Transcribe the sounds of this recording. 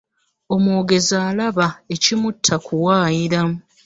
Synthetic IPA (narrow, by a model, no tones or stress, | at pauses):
o̞moːɡe̞zaːlaβae̞cimutʰːakuwaːjiɾa